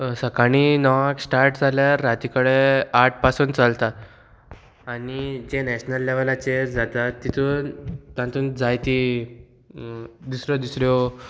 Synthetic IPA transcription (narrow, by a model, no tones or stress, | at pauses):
səkaɽ̃inɔʋaksʈaɾʈd͡zʱaljaɾːat̪ikəɭeaʈ̚ʰpasuːnt͡salt̪a | aɽ̃id͡ʑenɛɕnəlːeʋəlat͡ɕeəɾd͡zat̪at̪ːit̪ʰut̪ãnt̪uːnd͡zajt̪i | d̪usɾjɔd̪usɾjɔ